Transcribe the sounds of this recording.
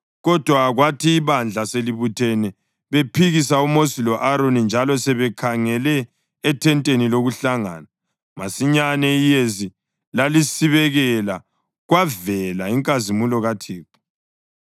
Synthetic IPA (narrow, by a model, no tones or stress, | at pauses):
ɣɔd̥ʱwaɣwatʰiːβand͡ɮʱaseliβutʰɛnɛ | βepʰiɣisaumosilɔʔaɾonind͡ʒʱalɔsɛβɛkʰaŋɛlɛː | tʰɛntʼeniloɣuɬaŋa̰ːna | masiɲanɛijezi | lalisiβɛɣɛla | ɣwavɛlaiŋkʼazimulɔɣatʰiːpu̥